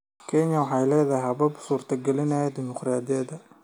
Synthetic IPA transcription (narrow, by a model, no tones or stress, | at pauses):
kʰɛɲɐwɑħɑjlɛːðɐhɐβɐbsuːrt̪ʰɐɡɛlɪnɐjɛd̪ɪmʊqraːd̪ɪjɐd̪ɐ